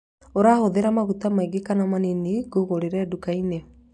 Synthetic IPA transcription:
oɾaːhoðeɾamaɣutamaiɡekanamaniniɡoɣoɾeɾɛdukaine

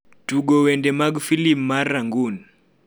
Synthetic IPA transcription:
tuɡɔwɛndɛmaɡfilipmaɾaŋɡun

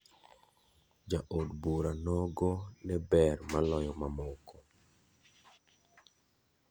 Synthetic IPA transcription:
d͡ʒaʔodbuɾanɔɡɔnɛbɛrmalɔjɔmamɔkɔ

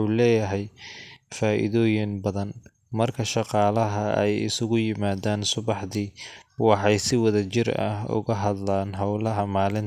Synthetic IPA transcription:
ulɛːjɐɦɛjfaːʔɪ̰ðɔːjɪnbɐðɐn | mɐrkʰɐʃɑqɑːlɐɦɐɛ̰jɪ̰sʊɣʊjɪmaːðaːnsʊβɑħðiːwɑħɑjsɪwɐðɐt͡ʃɪrɐ̰hʊ̰ɣɐɦɐd̪laːnɦɐwlɐɦɐmaːlɪn

